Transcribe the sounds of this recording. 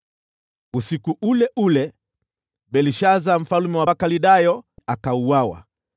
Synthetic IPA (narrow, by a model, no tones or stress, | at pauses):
usikuʔulɛʔulɛ | ɓɛliʃazam̩falumɛwakaliɗajɔakauwawa̰